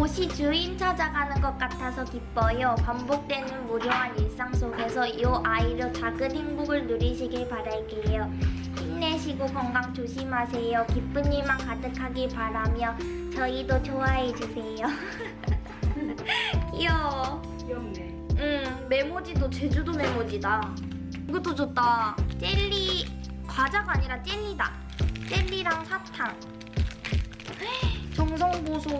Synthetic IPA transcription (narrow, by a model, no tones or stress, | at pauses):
oɕʰit͡ɕuint͡ɕʰad͡ʑaɡanɯnɡʌk͈̚atʰasʰʌkip͈ʌjopambok̚t͈wenɯnmuɾjoɦaniɭs͈aŋsʰoɡe̞sʰʌjoʔaiɾot͡ɕaɡɯnɦinɡuɡɯɭnuɾiɕʰiɡiɭpaɾaɭk͈ejo | inːe̞ɕʰiɡokʌŋɡaŋt͡ɕoɕʰimɦasʰe̞jokip͈uɲimankadɯkʰaɡipaɾamjʌ | t͡ɕʌidot͡ɕʰoaɦed͡ʑusʰe̞jo | kijʌ | ɯmme̞mod͡ʑidot͡ɕed͡ʑudomemod͡ʑida | ɡot͈od͡ʑot͈at͡ɕ͈eʎːikwad͡ʑaɡaɲiɾat͡ɕ͈eʎːida̰ | t͡ɕ͈eʎːiɾaŋsʰatʰaŋ | t͡ɕʌŋs̬ʰʌŋbosʰo